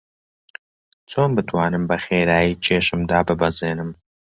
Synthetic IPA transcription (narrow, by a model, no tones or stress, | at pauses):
t͡sʰoːnbɨt̪ʰwaːnɨmbɐxeːɾaːjiːt͡ʃʰeːʃɨmd̪aːbɨbɐzeːnɨm